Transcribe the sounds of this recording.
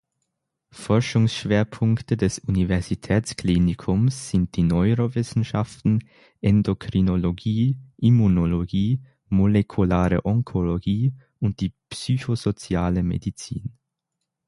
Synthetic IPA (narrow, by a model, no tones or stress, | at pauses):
fɔɐʃʊŋsʃv̥eːɐpʰʊŋktədɛsunivɛɐzitʰɛːt͡sklinɪkʰʊmsz̥ɪnt̚d̥iːnɔʏʁovɪsn̩ʃa̰ftn̩ | ʔɛndokʁ̥inoloɡiːʔimunoloɡiː | molekʰulaːʁə̰ʔɔŋkʰoloɡiː | ʊnt̚d̥iːpsyçoz̥ot͡sjaːləmḛdit͡sḭːn